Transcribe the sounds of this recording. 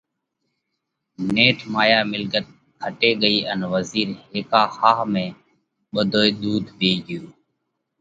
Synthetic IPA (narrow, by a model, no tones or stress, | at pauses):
neːʈʰmaːjaːmɪlɡət̪̚ | kʰəʈeːɠəiːʔənʋəziːɾɦeːkaːxaːɦmẽː | ɓəd̪ʱoːeːɗ̪uːd̪ʱbʱeːɡɪjoː